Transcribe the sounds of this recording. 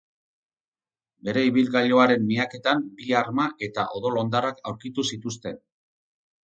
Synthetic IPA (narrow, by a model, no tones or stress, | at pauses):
be̞ɾe̞iβilɣaʎo̞aɾe̞mːiake̞t̪ambiaɾmaʔe̞t̪aʔo̞ðo̞lo̞nd̪arakawɾkit̪usit̪ust̪e̞n